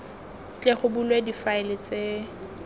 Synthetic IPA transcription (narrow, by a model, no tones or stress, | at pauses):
t͡ɬʼeχʊbulwedifaɪlɪt͡sʼe